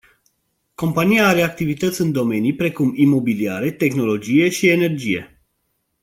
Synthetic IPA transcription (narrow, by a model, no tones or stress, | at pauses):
ko̞mpanijaaɾe̞ak̚t̪ivit̪ət̪sʲɨnd̪o̞me̞nijpɾe̞kumimo̞bilia̰ɾe̞t̪e̞xno̞lo̞d͡ʒije̞ʃie̞ne̞rd͡ʒije̞̰